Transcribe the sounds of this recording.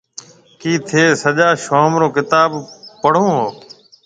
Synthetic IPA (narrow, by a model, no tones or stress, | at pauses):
kiːt̪ʰeːsəʄaːʃoːmɾoːkɪt̪aːbpəɽ̤õːɦoː